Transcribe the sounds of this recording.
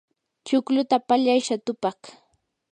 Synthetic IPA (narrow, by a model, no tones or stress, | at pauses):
t͡ʃʊklʊt̪apaʎajʃat̪ʊpɑχ